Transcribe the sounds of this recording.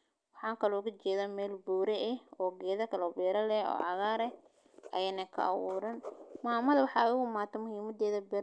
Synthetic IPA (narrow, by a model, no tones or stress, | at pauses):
wɑħɑːŋkʰɐlɔkɐt͡ʃɛːðaːmɛːlbuːɾɛʔɛɔːɡɛːðɐkʰɐlɔːbɛːɾɐlɛɔ̰ːʕɑɣaːɾɛ | ʔɐ̰jɛːnɐkʰɐ̰ʔɑ̰wʊːɾɐnmaːmɐðɐwɑħɑʊɣʊmaːt̪ʰɐmʊhiːmɐd̪ɛːðɐbɛːɾ